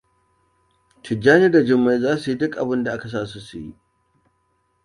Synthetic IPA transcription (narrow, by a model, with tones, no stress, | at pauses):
tʰʊ˨d͡ʒaː˦niː˦da˨d͡ʒɪ˦mːa˦jzaː˦su˨ji˦dʊ˦kʼʔa˨bɪ˦nda˨ʔa˦ka˨s̬aː˦su˦su˨jḭ˦ʔ